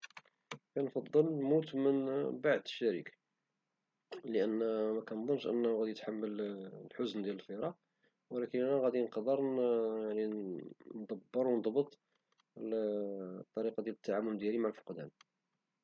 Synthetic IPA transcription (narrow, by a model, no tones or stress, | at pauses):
kænfɑd̪ˤːəlnmut̪mənbaʕd̪əʃːæɾḭk | ləʔənːmækænd̪ˤənːʃʔə̰nːæhuɣæd̪ijt̪ħamːəllħʊznd̪jæləlfiɾˤɑ | wəlækənænæɣæd̪inqɑd̪əɾjaʕnind̪ɑbːəɾwnəd̪ˤbət̪ˤ | t̪ˤːɑɾiqɑd̪jælət̪ːaʕamʊld̪jælimaʕlfo̥qd̪æ̰n